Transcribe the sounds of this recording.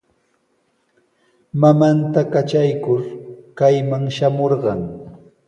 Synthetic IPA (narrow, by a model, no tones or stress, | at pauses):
mamant̪akat͡ʃajkʊɾkajmaŋʃamoɾɢɑŋ